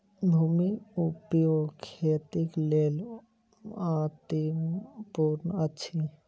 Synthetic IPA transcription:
d̪ʱumiupjokʰeːt̪ikleːl | ãːt̪impuɾnətːʃʰi

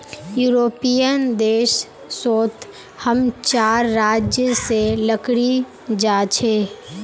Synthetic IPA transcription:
juːɾoːpijənd̪eːʃ | soːt̪ʰ | həmt͡ʃaːɾːaːd͡ʒjəseləkɽi | d͡ʒaːt͡ʃʰeː

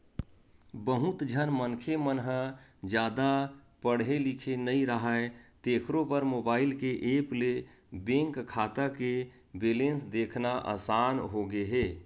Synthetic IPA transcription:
bəɦut̪d͡ʒʱənmənkʰemənɦd͡ʒjaːd̪apəɽ̤ɦelikʰenəiɾəɦət̪ekʰɾopəɾmoːbaːɪlkeʔeple | bẽŋkkʰːat̪əke | belensd̪ekʰnaʔə̰sanɦoɡeɦe

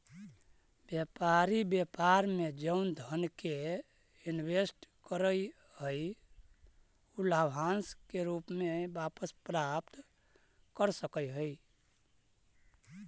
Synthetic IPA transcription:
bjepaɾibjepaɾmed͡ʒəʊnd̪ʱənke | inwesʈkəɾəj | həj | ulabʱãnskeɾupmebapəspɾapt̪ | kəɾsəkəjɦəi

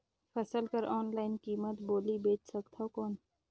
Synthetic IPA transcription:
pʰɐsəlkəɾɔːnlaːɪnkiːmət̪boːlibeːt͡ʃsəkt̪ʰaokɔːn

